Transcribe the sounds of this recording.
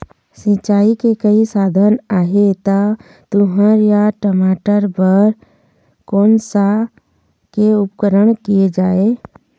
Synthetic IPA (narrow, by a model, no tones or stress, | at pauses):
sɪ̃t͡ʃaːikekəisaːd̪ʱənaːɦet̪a | t̪ʊɦəɾjaʈəmaːʈəɾbəɾ | koːnsa | keʊpkəɾəɽ̃kied͡ʒaːe